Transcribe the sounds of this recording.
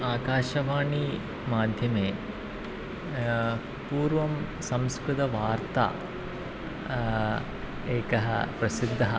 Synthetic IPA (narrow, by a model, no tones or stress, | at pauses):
aːkaːʃɐʋaːɳi | maːd̪ʱjɐmeː | puːɾʋɐm | sɐ̃mskɾut̪ɐʋaːɾt̪a̰ | eːkɐɦɐ̰pɾɐsid̪ʱːɐɦɐ